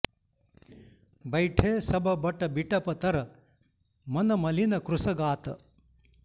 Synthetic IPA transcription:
bɐjʈʰeːsɐbɐbɐʈɐbiʈɐpɐt̪ɐɾɐ | mɐnɐmɐlinɐkɾusɐɡaːt̪ɐ

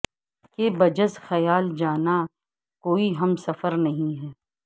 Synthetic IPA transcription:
kebɐd͡ʒəzxɐjaːld͡ʒaːna | koːiɦɐmsɐfəɾnɐɦĩɦɛː

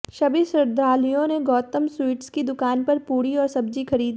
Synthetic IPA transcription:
ʃɐbisɾɪɾd̪ɾaːlijõneɡɔːt̪əmswiːʈskid̪ʊkaːnpɐɾpuːɾiɔːɾsɐbd͡ʒixɐɾiːd̪

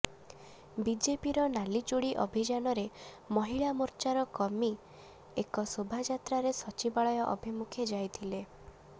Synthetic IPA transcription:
bid͡ʒepiɾɔnalit͡ʃuɽiʔɔbʱid͡ʒanɔɾe | mɔɦiɭamuɾt͡ʃaɾɔkɔmi | ekɔsobʱad͡ʒat̪ɾaɾesɔt͡ʃibaɭɔjɔʔɔbʱimukʰed͡ʒajt̪ʰile

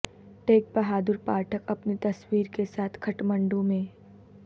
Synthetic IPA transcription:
ʈeːk̚bɐɦaːd̪ʊɾpaːɾʈʰəkɐpnit̪ɐswiːɾkesaːt̪ʰkʰɐʈmə̃ɳɖũmẽː

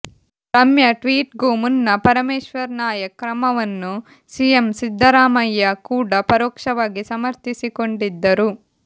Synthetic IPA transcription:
t̪ɐmjɐʈʋiːʈ̚ɡoːmunːɐpɐɾɐmeːʃʋɐɾnaːjɐkɾɐmɐʋɐnːu | siemsid̪ʱːɐɾaːmɐjːɐkuːɽɐpɐɾoːkʂɐʋaːɡisɐmɐɾt̪isiko̞ɳɖid̪ːɐɾu

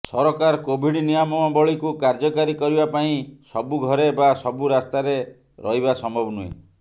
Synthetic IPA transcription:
sɔɾɔkaɾkobʱiɽnijɔmɔmabɔɭikukaɾd͡ʒɔkaɾikɔɾibapaĩsɔbuɡʱɔɾebasɔbuɾast̪aɾe | ɾʔɔɦibasɔmbʱɔbɔnuḛ

